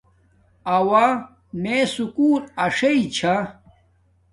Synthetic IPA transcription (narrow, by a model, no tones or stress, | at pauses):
ɐwa | mesukuːɾɐʂɐit͡ɕʰa